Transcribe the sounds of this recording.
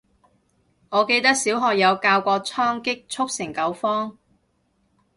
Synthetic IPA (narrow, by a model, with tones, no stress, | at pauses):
ŋɔː˨˧ke˧jt̪ɐ˥k̚siː˨˥wɦɔː˧k̚jɐ˨˧wkaː˧wkʷɔː˧k̚t͡sʰɔː˥ŋkɪ˥k̚t͡sʰʊ˥k̚sɪ˨˩ŋkɐ˨˧˥wfɔː˥ŋ